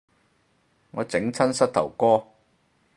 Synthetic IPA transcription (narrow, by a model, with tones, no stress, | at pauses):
ŋɔː˨˧t͡sɪ˨˥ŋt͡sʰɐ˥nsɐ˥t̚t̪ʰɐ̰˨˩wkɔː˥